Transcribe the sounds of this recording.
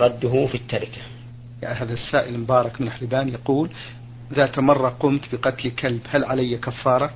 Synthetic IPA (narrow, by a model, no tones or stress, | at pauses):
ɾˤɑd̪ːʊɦufit̪ːaɾɪkḁ | ja̰ʕɦaːðasːaːʔɪlmʊbɑːɾˤɑkmɪnħlɪbaːnjaquːl | ðaːt̪mɑrˤːɑqʊmt̪bɪqɑt̪lkalbhalʕalajːakafːɑːɾˤɑ